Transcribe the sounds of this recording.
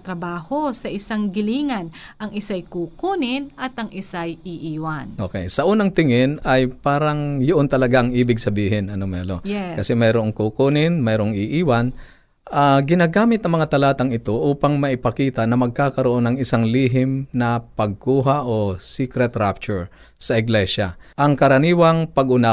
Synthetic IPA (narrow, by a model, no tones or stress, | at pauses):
t̪ɾɐbaːhosɐʔɪsaŋɡɪliːŋɐnʔɐŋɪsajkukuːnɪnʔɐt̪ɐŋʔɪsajiʔiːwanʔoːkɛjsɐʔuːnɐŋt̪ɪŋɪnɐjpaːɾɐŋjoʔont̪ɐlɐɡaʔɐŋʔiːbɪɡ̚sɐbiːɦɪnɐnomɛ̰ːlo̰jɛkɐsɛmɐjɾoʔoŋkukuːnɪnmɛɾoŋɪʔiːwɐn | ʔaɡɪnaːɡaːmɪt̪nɐŋmɐŋat̪ɐlaːt̪ɐŋɪt̪o̞ʔuːpɐŋmɐʔɪpɐkiːt̪ɐnɐmɐɡ̚kaːkɐɾoʔo̞nɐŋɪsaŋliːɦɪmnɐpɐɡ̚kuːɦaʔosikɾɛt̪ɾap̚t͡ʃʊɹ | sɐʔɪɡlɛʃa̰ʔɐŋkɐɾɐniːwɐŋpɐɡʔʊna